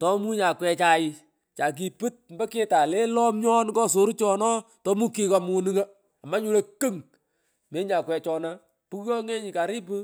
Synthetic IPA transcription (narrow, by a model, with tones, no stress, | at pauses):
tɔ˨˦mu˦ɲa˨kwɛ˨t͡ʃa˨ɪ˨ | t͡ʃa˨k̬i˨pɨ˦t̚mbə˦ke˦ta˨le˦lɔ˦mɲɔ˦nkɔ˦s̬o˨˦ɾi˦t͡ʃɔ˨nɔ˦ | tɔ˦mu˦ki˦ka˨mu˨nɨ˦ŋa˦ | a˨ma˦ɲu˦le˦kə˦ŋ | me˦ɲa˨kwɛ˨t͡ʃɔ˨na˦ | pu˦kkɔ˦ŋe˦ɲi˨ka˨ɾi˦pɨ˦